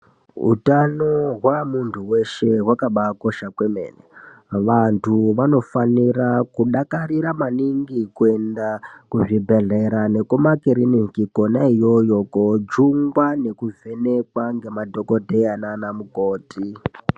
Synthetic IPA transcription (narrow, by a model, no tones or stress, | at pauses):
ɦṵtanoɦwamuntʰuwe̞ʃe̞ɦwakaɓako̞ʃakwemḛːneʋantʰuʋano̞fanirakuɗakaɾiɾamaniŋɡikue̞ndakuʐibʱe̞ɮe̞ɾane̞komakiɾinikiko̞naijo̞jo̞kod͡ʒuŋɡwane̞kuvʱe̞ne̞kwaŋɡe̞madʱo̞ko̞dʱe̞ananamukoːti